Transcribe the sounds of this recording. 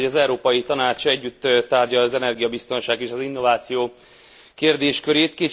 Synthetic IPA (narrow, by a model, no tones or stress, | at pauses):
ɒzɛuɾoːpɒjit̪ɒnaːt͡ʃɛɟːyt̪ːt̪ːaːrɟɒlɒzɛnɛrɡijɒbist̪o̞nʃaːɡeːʃɒzinːo̞vaːt̪sijoː | keːrd̪eːʃkøɾeːt̪keː